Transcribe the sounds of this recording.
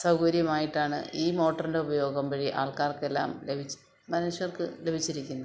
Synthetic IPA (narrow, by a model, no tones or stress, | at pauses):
sɐwɡuɾjɐmaːjiʈːaːɳɨ̰iːmo̞ːʈːɐrindeubɐjo̞ːɡɐmʋeɻiʔa̰ːɭkaːrke̞lːa̰ːmlebʱit͡ɕːɨ̥ | mɐnuʂɐrkɨle̞bʱit͡ɕːiɾikʲːunːɐ